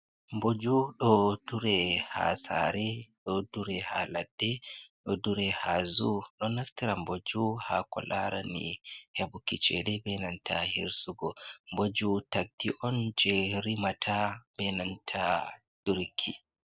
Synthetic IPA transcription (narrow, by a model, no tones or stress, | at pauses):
mbod͡ʒuɗɔduɾɛha̰sa̰ɾɛɗɔduɾɛhaladːɛɗɔduɾɛhazuɗɔnaftiɾambod͡ʒuhakɔ̰laɾanḭhebukit͡ʃɛdɛbɛnantʰahiɾsuɡɔmbod͡ʒutak̚diʔɔnd͡ʒeɾimatʰabɛnantʰa | d̥uɾkʰːi